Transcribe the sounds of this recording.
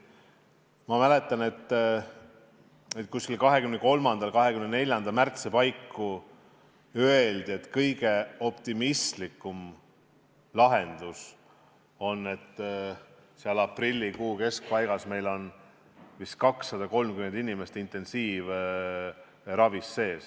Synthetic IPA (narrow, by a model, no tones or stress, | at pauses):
mɑmæle̞t̪ˑːɑne̞t̪ː | et̪̚kuskilkɑɦe̞kymneko̞lmɑnd̪̥ɑlkɑɦe̞kymnene̞lʲjɑnd̪̥ɑmært̪sipɑjkːu | øe̞ld̪̥ie̞t̪kɤjɡ̥e̞o̞pt̪imist̪likːˑum | lɑɦe̞nd̪̥us | o̞nːe̞t̪ː | seɑlɑprilʲːikuːke̞sk̚pɑjɡ̥ɑsme̞jlo̞n | vist̪̚kɑksːɑd̪ɑko̞lmkyme̞nd̪̥inʲimest̪int̪e̞nsiːv | rɑvisːe̞ːs